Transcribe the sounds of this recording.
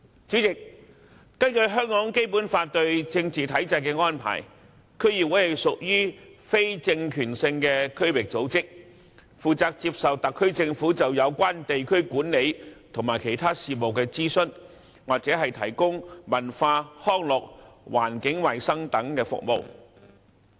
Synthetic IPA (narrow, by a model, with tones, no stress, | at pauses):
t͡ʃyː˨˥t͡sɪ˨k̚ | kɐ˥nkɵ˧ɥɦœː˥ŋkɔː˨˥ŋke˥jpuː˨˥nfaː˧t̚t̪ɵ˧ɥt͡sɪ˧ŋt͡siː˨t̪ʰɐ˨˥jt͡sɐ˧jkɛː˧ŋɔː˥npʰa̰ː˨˩j | kʰɵ˥ɥjiː˨p̚wuː˨˥hɐ˨jsʊ˨k̚jyː˥fe˥jt͡sɪ˧ŋkʰyː˨˩nsɪ˧ŋkɛː˧kʰɵ˥ɥwɪ˨k̚t͡so˨˥wt͡sɪ˥k̚ | fuː˨t͡saː˧k̚t͡siː˧p̚sɐ˨wt̪ɐ˨kʰːɵ˥ɥt͡sɪ˧ŋfuː˨˥t͡sɐ˨wjɐ˨˧wkʷaː˥nt̪e˨jkʰɵ˥ɥkuː˨˥nle˨˧jt̪ʰʊ˨˩ŋmaː˨˩jkʰe˨˩jt̪ʰaː˥siː˨t̚mo˨wkɛː˧t͡siː˥sɵ˥n | waː˨k̚t͡sɛː˨˥ɦɐ˨jt̪ʰɐ˨˩jkʊ˥ŋmɐ˨˩nfaː˧hɔː˥ŋlɔ˨k̚wʔa̰ː˨˩nkɪ˨˥ŋwɐ˨jsɐ˥ŋt̪ɐ˨˥ŋkɛː˧fʊ̰˨k̚mo̰˨˧w